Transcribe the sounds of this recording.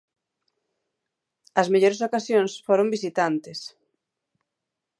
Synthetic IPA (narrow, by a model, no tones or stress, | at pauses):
ɐzmeʎoɾes̬okasjõnsfoɾombisit̪ant̪ɪs